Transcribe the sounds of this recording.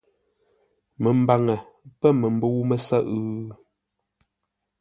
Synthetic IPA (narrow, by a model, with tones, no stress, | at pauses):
mə˨m̩˦ba˨ŋɛ˨ | pɛ˦˨mə˨m˦bə˦wu˦mə˦sa˦ʔ